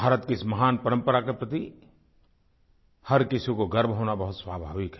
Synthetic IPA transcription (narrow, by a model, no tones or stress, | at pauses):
bʱaːɾət̪kesmɐɦaːnpəɾə̃mpəɾakepɾət̪i | hɐɾkɪsikoɡɐɾbʱɦoːnabɐɦʊt̪swaːbʱaːʋɪkɦɛ